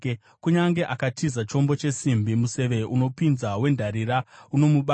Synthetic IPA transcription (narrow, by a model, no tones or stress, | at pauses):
kuɲaŋɡe̞ʔakatʰizat͡ʃo̞mbo̞t͡ʃe̞simbimuse̞ʋe̞ʔuno̞pinzawe̞ndʱaɾiɾauno̞muɓa